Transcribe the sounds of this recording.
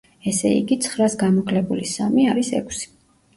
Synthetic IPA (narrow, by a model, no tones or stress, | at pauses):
ɛsɛḭɡit̪sʰχɾasɡamɔkʰlɛbulisamiaɾisɛ̰kʷʰsi̥